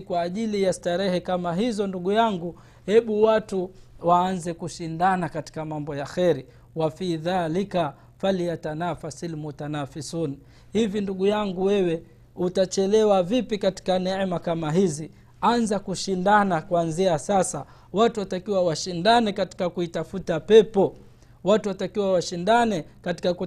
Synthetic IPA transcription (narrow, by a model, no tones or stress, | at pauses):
kwaːʄilijastaɾɛhɛkamaɦizɔnduɠujaŋɡu | hɛɓuwatuwaːnzɛkuʃindanakati̥kamambɔjaxɛɾi | wafiːðaːlika | falijatanafasilmutanafisun | hivjinduɠujaŋɡuwɛwɛ | utat͡ʃɛlɛwavipikati̥kanɛmakamaɦizi | anzakuʃindanakwanziasasa | watuwatakiwawaʃindanɛkati̥kakuitafutapɛpɔ | watuwatakiwawaʃindanɛkati̥kaku